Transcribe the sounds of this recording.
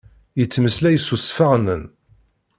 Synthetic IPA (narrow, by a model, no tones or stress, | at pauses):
jət͡sːməslæjəsusfaʁnən